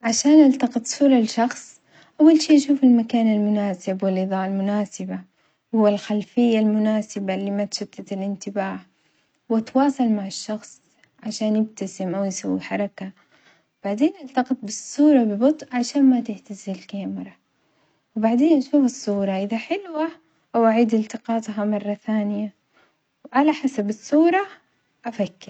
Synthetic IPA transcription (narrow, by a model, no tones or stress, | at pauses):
ʕaʃaːnʔalt̪ɑqɨt̪ˤsˤuːɾˤɑlʃɑxsˤ | ʔawːalʃiːʔaʃuːfalmakaːnalmʊnaːsɪbwɪlʔɨðˤɑːʔalmʊnaːsɪba | whʊwːalxalfɪjːalmʊnaːsɪbalːiːmat̪ʃʊt̪ːat̪alʔɪnt̪ɪbaːʕ | wat̪wɑːsˤɑlmaʕɪʃːɑxsˤ | ʕaʃaːnjɪb̚t̪asɪmʔawjsawːḭħɑɾˤɑka | wb̥aʕd̪eːnʔalt̪ɑqɪt̪̚ˤbɪsˤːuːɾˤɑbɪbʊt̪ˤʔʕaʃaːnmat̪ɪħt̪azɪlkaːmɪɾˤɑ | wɪbaʕd̪eːnʔaʃuːfɑsˤːuːɾˤɑʔɪðaħɪlwa | ʔawʔaʕiːd̪ɪlt̪ɪqɑːt̪ˤɦamɑrˤːɑθaːnɪja | wʔalaħasabɑsˤːuːɾˤɑ | ʔafakːɪɾ